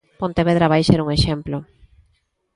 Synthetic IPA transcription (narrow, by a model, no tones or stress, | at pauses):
põnt̪eβeðɾaβajseɾuŋeʃemplo